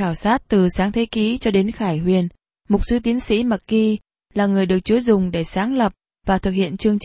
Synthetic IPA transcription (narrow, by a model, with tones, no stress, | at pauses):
aː˧˩wsaː˦˥t̚t̪ɨ˨˩saː˨˦ŋt̪ʰe˨˦ki˨˦t͡ɕɔ˧ɗe˨˦nxaː˧˩jhwi˨˩ən | mʊ˨˩k͡p̚sɨ˨˧˦t̪i˨˦ənsḭ˧˥ma˨˩k̚ki˧ | laː˨˩ŋɨ˨˩əjɗɨ˨˩ək̚t͡ɕu˨˦zʊ˨˩ŋ͡mɗe˧˩saː˨˦ŋlə˨˩p̚ | vaː˨˩t̪ʰɨ˨˩k̚hḭ˧˨ənt͡ɕɨ˧əŋt͡ɕ